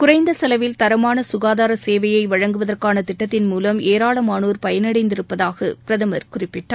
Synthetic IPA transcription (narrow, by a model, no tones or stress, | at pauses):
kʊrɐɪnd̪ɐsɐlɐʋɪlt̪ɐɾɐmaːnɐsʊɣaːðaːɾɐseːʋɐjɐɪʋɐɻɐŋɡɯʋɐðɐrkaːnɐt̪ɪʈːɐt̪ːɪnmuːlɐmeːɾaːlɐmaːnuːɾpɐjɐnɐɽɐɪnd̪ɪɾɯpːɐðaːɣɐ̰pɪɾɐðɐmɐɾkʊrɪpːɪʈːaː